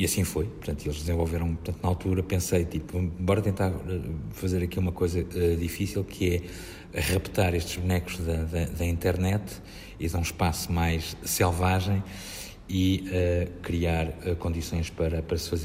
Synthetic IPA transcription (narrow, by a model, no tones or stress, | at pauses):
iɐsĩfojpuɾt̪ɐ̃nt̪uelˠʒd̪zẽvolˠveɾɐ̃w̃pɾt̪ɐ̃nt̪unalˠt̪uɾɐpẽsɐjt̪ipuẽẽmbɔɾɐt̪ẽnt̪aɾɛfɐzeɾɐkiumɐkojzɐɛðifisilˠkʰɨɛ | ʁɐpt̪aɾeʃt̪ʒβunɛkuʒðɐðɐðɐĩnt̪ɛɾnɛt̪ | iðaɾũʃpasumajʃsɛlˠvaʒɐ̃j̃ | iɛkɾiaɾɛkõnd̪isõj̃ʃpɐɾɐpɐɾɐsfɐz